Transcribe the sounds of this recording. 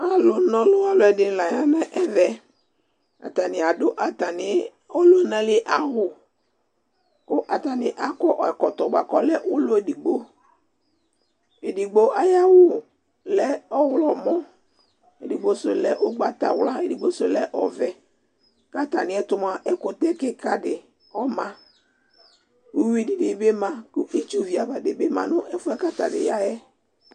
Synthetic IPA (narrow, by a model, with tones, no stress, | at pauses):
a˨lʊ˨˦nɔ̃˨lʊ˦a˦lʊ˨ɛ˨dɪ˨n˨la˨ja˦mɛ˦ʔɛ˦vɛ˨ | a̰˨t̪a˨nɪ˨a˨dʊ˦ʔa˨ta˨nɪ˨ | o˦lʊ˦nɛ̃˨lɪ˦ʔa˨ɦʊ˨ | kʊ˦ʔa˨ta˨nɪ˨ʔa˦kɔ˦ʔɔ˨ɛ˨kɔ˨t̪ɔ˨ɡ͡ba̰˨kɔ˦lɛ˦ʔʊ˦lʊ˦e˨di˨ɡ͡bo˦ | e˨di˨ɡ͡bo˦ʔa˦ja˦wʊ˦ | lɛ˦ɔ˦wlɔ˨mɔ̃˦ | e˨di˨ɡ͡bo˦sʊ˨lɛ˦ʔʊ˦ɡ͡ba˨t̪a̰˨wla˦e˨di˨ɡ͡bo˦so˨lɛ˦ʔɔ˨vɛ˨ | ka˦t̪a˨nɪ̃˨ɛ˦t̪ʊ˦m˦˨a˨ʔɛ˦kʊ˨t̪ɛ˦kɛ˦ka˨dɪ˨ | ɔ˦mã˨ | u˦wi˦˨di˨dɪ˨be˦mã˨kʊ˦ʔe˦t͡ʃu˦vi˨a˨ba˨dɪ˨be˦mã̰˨nʊ̃˦ʔɛ˦fʊ˦ɛ˦ka˦t̪a̰˨dɪ̰˨ja˦jɛ˦